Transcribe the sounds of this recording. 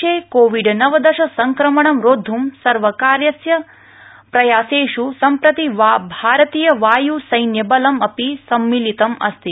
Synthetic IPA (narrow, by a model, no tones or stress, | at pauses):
eːkoːʋiɖnɐʋɐd̪ɐʃɐsɐŋkɾɐmɐɳɐmɾoːd̪ʱːumsɐɾʋɐkaːɾjɐsjɐ | pɾɐjaːseːʃusɐmpɾɐt̪iʋabʱaːɾɐt̪iːjɐʋaːjusɐjnjɐbɐlɐmɐpisɐmːilit̪ɐmɐ̰st̪i